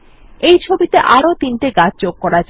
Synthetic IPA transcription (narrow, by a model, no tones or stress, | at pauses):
ejt͡ɕʰobit̪eʔaɾot̪inʈeɡad͡ʑd͡ʑoɡ̚kɔɾad͡ʑ